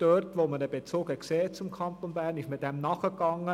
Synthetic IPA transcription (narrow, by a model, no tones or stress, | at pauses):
d̥øɾtʋoːmədəbet͡soːɡəkseːt͡sʊmkʰɑnt̪onbæːɾnɪʃmɪt̚dɛmnɑχəkɑŋːə